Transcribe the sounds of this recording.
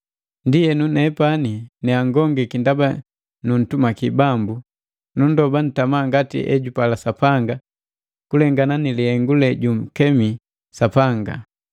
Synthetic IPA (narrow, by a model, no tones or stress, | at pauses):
ndijɛnunɛpaninɛaŋɡɔŋɡɛkindaba | nun̩tumakibambu | nundɔban̩tamaŋɡatḭʔɛ̰ɟupalasapaŋɡa | kulɛŋɡananilihɛŋɡulɛɟum̩kɛmi | sapaŋɡa̰